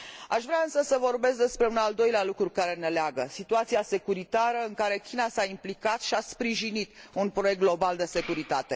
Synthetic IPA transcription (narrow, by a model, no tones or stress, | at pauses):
aʃvɾeaɨnsəsəvo̞rbe̞sk̚d̪espɾe̞unald̪o̞jlealukɾukaɾe̞ne̞leaɡəsit̪uat̪siase̞kuɾit̪aɾəɨŋkaɾe̞kʲinasaimplikat̪ʃiaspɾiʒinit̪unpɾo̞je̞k̚t̪ɡ̪lo̞bald̪e̞se̞kuɾit̪at̪e̞